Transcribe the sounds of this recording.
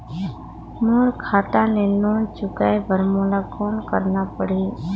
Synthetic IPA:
muɾkʰaːʈ̪ãleloːnt͡ʃʊkaebʱəɾmoːlakoːnkəɾnapəɽ̤eː

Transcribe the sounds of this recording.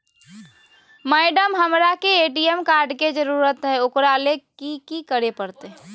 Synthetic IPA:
mɛːɖəmɦəmɾakeeːʈiemkaːɾɖked͡ʒəɾuːɾət̪ɦɛʊkɾalekikikəɾepəɾt̪e

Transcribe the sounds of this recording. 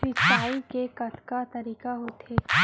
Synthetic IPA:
ɪkaːikekɐt̪kat̪ɐɾiːkaɦoːt̪eː

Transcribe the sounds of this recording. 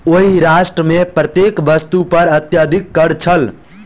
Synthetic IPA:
oɦiɾasʈɾəmepɾət̪jekʋəst̪upəɾət̪jəd̪ʱikːəɾt͡ʃʰəl

